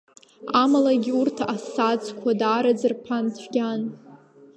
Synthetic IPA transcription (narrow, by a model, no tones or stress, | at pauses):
amalaɡʲiurtʰaʔasad͡zkʷʰadaːɾad͡zɨrpʰantʷʰɡʲan